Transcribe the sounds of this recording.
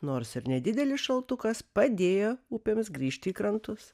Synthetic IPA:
noːɾsɪɾnʲɛd̪ʲɪd̪ʲɛlʲɪsʃɐlˠt̪ʊkɐspɐd̪ʲeːjoːuːpʲeːmsɡɾʲiːʃʲt̪ʲɪːkɾɐnt̪ʊs

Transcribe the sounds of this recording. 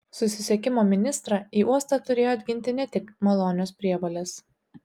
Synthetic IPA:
sʊsʲɪsʲɛkʲɪmoːmʲɪnʲɪst̪ɾɑiːʔuɔst̪ɑt̪ʊɾʲeːjoːɐd̪ʲɡʲɪnʲt̪ʲɪnʲɛt̪ʲɪkmɐlˠoːnʲɪjoːspʲɾʲiɛʋoːlʲɛs

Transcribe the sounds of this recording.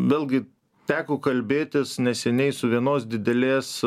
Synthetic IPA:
ʋʲeːlˠʲɡʲɪ | t̪ʲæːkʊkɐlʲbʲeːt̪ʲɪsnʲɛsʲɛnʲɛɪsʊʋʲiɛnoːsd̪ʲɪd̪ʲɛlʲeːs

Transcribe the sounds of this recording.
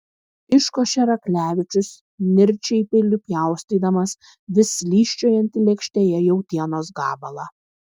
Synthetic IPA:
ɪʃkoːʃʲɛɾɐklʲæːʋʲɪt͡ʃʲʊs | nʲɪɾʲt͡ʃʲɛɪpʲɪlʲʊpʲjæˑʊsʲt̪ʲid̪ɐmɐs | ʋʲɪsʲlʲiːʃʲt͡ʃʲoːjɐnʲt̪ʲɪlʲɛkʃʲt̪ʲeːjɛjɛʊt̪ʲiɛnoːsɡɑ̰ːbɐlˠɑ

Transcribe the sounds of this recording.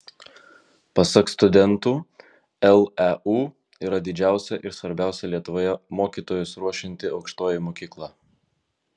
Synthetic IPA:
pɐsɐkst̪ʊd̪ʲɛnˑt̪uː | ɛlˠɛuː | iːɾɐd̪ʲɪd͡ʒʲæˑʊsʲɛʔɪɾsʋɐɾʲbʲæˑʊsʲɛlʲiɛt̪ʊʋoːjɛmoːkʲiːt̪oːjʊsɾuɔʃʲɪnʲt̪ʲɪɐʊkʃt̪oːjɪmoːkʲiːklˠɑː

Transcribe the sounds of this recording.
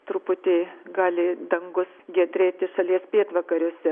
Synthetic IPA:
t̪ɾʊpʊt̪ʲeːɡɑːlʲɪd̪ɐŋɡʊsɡʲɛd̪ʲɾʲeːt̪ʲɪʃɐlʲiɛspʲeːt̪ʋɐkɐɾʲoɔsʲɛ

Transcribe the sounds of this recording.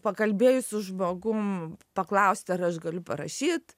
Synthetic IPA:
pɐkɐlʲbʲeːjʊsʲʊʒmoːɡʊmpɐklˠɐʊsʲt̪ʲɐɾɐʃɡɐlʲʊpɐɾɐ̰ʃʲiːt̪

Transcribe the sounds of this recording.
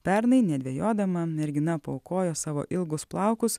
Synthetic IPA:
pʲɛɾnɐɪnʲɛd̪ʲʋʲeɛjoːd̪ɐmɐmʲɛɾʲɡʲɪnɐpɐːʊkoːjoːsɑːʋo̰ːʔɪlˠɡʊsplˠɑˑʊkʊs

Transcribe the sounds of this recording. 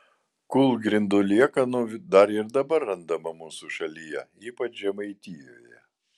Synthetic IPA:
kʊlˠɡɾʲɪnd̪ʊlʲiɛkɐnʊd̪ɐɾɪɾd̪ɐbɐɾːɐnd̪ɐmɐmuːsuʃɐlʲijɛ̰iːpɐt͡ʃʒʲɛmɐɪt̪ʲiːjo̰ːjɛ

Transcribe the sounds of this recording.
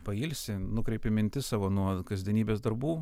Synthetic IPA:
pɐiːlʲsʲɪnʊkɾʲɛɪpʲɪmʲɪnʲt̪ʲɪsɑːʋoːnuɔkɐzʲd̪ʲɛnʲiːbʲeːsd̪ɐɾbuː

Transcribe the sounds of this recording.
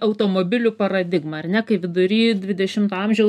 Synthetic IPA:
ɐʊt̪oːmoːbʲɪlʲʊpɐɾɐd̪ʲɪɡmɐɐrnʲɛkɐɪʋʲɪd̪ʊɾʲiːd̪ʲʋʲɪd̪ʲɛʃʲɪmt̪ɐɐmʲʒʲɛʊ

